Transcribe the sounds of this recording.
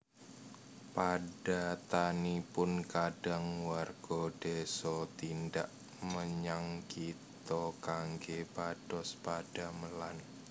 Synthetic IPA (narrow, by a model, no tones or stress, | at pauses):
pad̥at̪anipʊnkad̥aŋwarɡ̥ɔd̥esɔt̪indaʔ | məɲaŋkit̪ɔkaŋɡepad̥ɔspad̥aməlan